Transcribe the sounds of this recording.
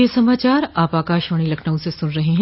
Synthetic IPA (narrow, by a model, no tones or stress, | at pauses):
esɐmaːt͡ʃaːɾaːpaːkaːʃʋəɽ̃ilɐkʰnaũsesʊnɾɐɦeɦɛ̃